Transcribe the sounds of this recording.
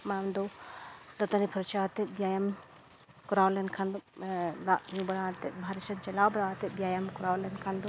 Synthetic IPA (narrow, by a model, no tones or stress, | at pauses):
mamd̪ɔd̪ɐt̪anipʰɾɔt͡ʃaɦt̪ɛt̪̚bjajam | kɔɾawlɛnkʰand̪ɔlaʔɲũbɐɽat̪ɛt̪̚bʱaɾisɔnt͡ʃɛlawbɐɽaɦt̪ɛbijajamkɔɾawlɛnkʰand̪ɔ